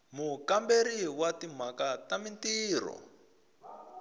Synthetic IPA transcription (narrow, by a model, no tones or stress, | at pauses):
mukambeɾiwatim̤akatamintiːɾɔ̰